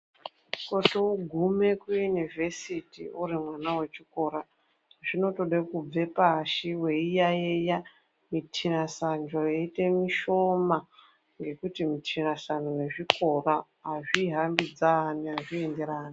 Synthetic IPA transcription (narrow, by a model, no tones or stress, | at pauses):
kotouɡʱume̞kujunive̞sitiurimwanawe̞t͡ʃiko̞ːɾa | ʐ̥ino̞to̞ɗekub͡ve̞paʃiwe̞ijajeja | mitʰinasand͡ʒojeite̞miʃo̞ma | ŋɡe̞kutimitʰinasanone̞ʐiko̞ra | ɦaʐiɦambid͡zaniɦaʐiende̞ɾaːni